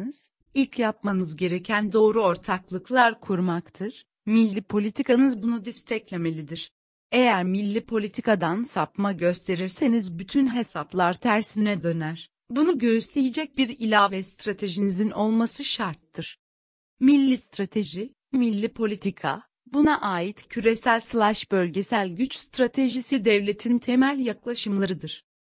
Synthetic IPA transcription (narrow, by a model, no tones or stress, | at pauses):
z̥ | ilʲcʰjap̚manɯzɟe̞ɾe̞cʰænd̪o̞ːɾuo̞ɾt̪ʰaklˠɯklˠaɾkʰuɾmakt̪ʰɯɾ̥ | milʲːipʰo̞lʲit̪ʰikʰanɯzbunud̪ist̪ʰɛclʲe̞me̞lʲid̪iɾ̥ | ejæɾmilʲːipʰo̞lʲit̪ʰikad̪ansapmaɟø̞st̪ʰe̞ɾiɾse̞nizbyt̪ʰynɦe̞saplˠaɾt̪ʰæɾsinɛd̪ø̞næɾ̥ | bunuɟø̞jyslʲejid͡ʒɛc̚biɾilʲaːvɛst̪ɾat̪ʰe̞ʒinizino̞lˠmasɯʃaɾt̪ʰːɯɾ̥ | milʲːist̪ɾat̪ʰe̞ʒi | milʲːipʰo̞lʲit̪ʰikʰa̰ | bunaʔaːjit̪cʰyɾe̞sælʲslˠaʃbø̞lʲɟe̞sælʲɟyt͡ʃst̪ɾat̪ʰe̞ʒisid̪ɛvlʲe̞t̪ʰint̪ʰemælʲjaklˠaʃɯmlˠaɾɯd̪ɯɾ̥